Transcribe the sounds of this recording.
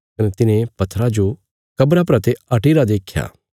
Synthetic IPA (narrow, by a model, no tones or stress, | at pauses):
kɐnɛt̪ɪnẽpɐt̪ʰːɾad͡ʒo | kɐbɾapɾɐt̪eɐʈiɾad̪eːkʰja̰ː